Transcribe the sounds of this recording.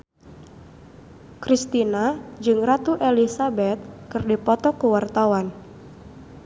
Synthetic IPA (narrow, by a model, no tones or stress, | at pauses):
kɾist̪inad͡ʒɨŋrat̪uʔelisabɛt̪̚kɨrdipɔt̪ɔkuwart̪awan